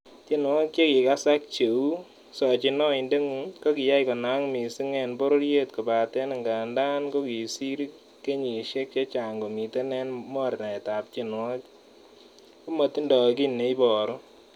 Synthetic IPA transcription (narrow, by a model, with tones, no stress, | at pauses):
t͡ʃi˦nwɔ˦k̚t͡ʃe˦ki˨ka˦sa˦k̚t͡ʃe˨u˦ | sɔ˨t͡ʃɪ˦nɔ˦ɪ˨nde˦ŋu˨nko˦ki˨ja˦i˨kɔ˨na˨˦ŋmi˨si˦ŋɛ˨nbo˦ɾo˦ɾje˦tko˨ba˨tɛ˦na˨ŋɡa˨nda˦nko˦ki˨si˦ɾ | ke˦ɲi˨ʃe˦k̚t͡ʃe˦t͡ʃa˨ŋɡo˨mi˨te˦nɛ˦nmɔ˦˨ɾna˨ɛ˨ta˨p̚t͡ʃi˦nwɔ˦k | ku˦ma˨ti˦ndɔ˨ki˦nːe˨˦i˦bɔ˨ɾɔ˦